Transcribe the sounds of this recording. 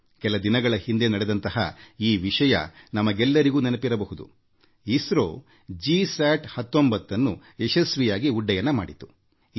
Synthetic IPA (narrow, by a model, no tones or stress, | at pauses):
kɛlɐd̪inɐɡɐɭɐhind̪e̞nɐɽed̪ɐnt̪ɐhɐiːʋiʂɐjɐ̰nɐmɐɡɛlːɐɾiɡuːnɛnɐpiɾɐbɐɦud̪ṵ | isɾo̰ː | d͡ʒisaːʈhɐt̪ːombɐt̪ːɐnːu | ɛʃɐsʋijaːɡiuɖːɐjɐnːɐmaːɽit̪u̥